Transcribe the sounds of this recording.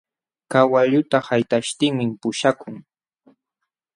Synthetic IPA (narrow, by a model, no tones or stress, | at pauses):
kawaʎʊt̪ahajt̪aʃt̪ɪŋmɪmpʊʃakʊŋ